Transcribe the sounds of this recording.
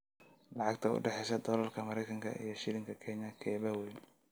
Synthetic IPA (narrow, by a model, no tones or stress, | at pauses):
lɑʕɑɡ̚t̪ʰɐʊ̰ɖɛħɛjsɐd̪ɔlɐlkʰɐmɐɾɛjkʰɐŋkʰɐ̰ʔḭjɞʃɪlɪŋkʰɐkʰɛɲɐkʰɛːβɐwɛjn